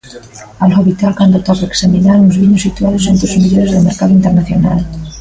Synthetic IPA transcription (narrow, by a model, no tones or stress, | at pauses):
aloβit̪alkand̪ot̪oreeksaminaɾunzβiɲosit̪uaðosent̪ɾozmiʎoɾezðemeɾkaðʊint̪eɾnaθjona̰l